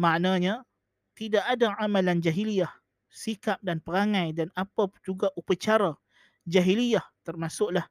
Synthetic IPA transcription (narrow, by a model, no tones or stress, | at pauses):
maʔnaɲa | t̪idaʔadaamaland͡ʒaɦiliah | sikap̚danpəɾaŋãjdanapəd͡ʒuɡaʔupət͡ʃaɾa | d͡ʒaɦiliaht̪ərmasʊʔlah